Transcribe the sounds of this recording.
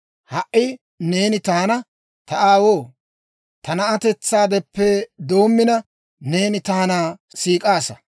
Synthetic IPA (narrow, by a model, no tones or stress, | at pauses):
hɐʔɪ | ne̞ːnɪt̪aːnɐ | t̪ɐʔaːwoː | t̪ɐnɐɐt̪ɛt͡sːaːd̪ɛpːɛd̪o̞ːmːɪnɐ | ne̞ːnɪt̪aːnaː | siːkʼaːsɐ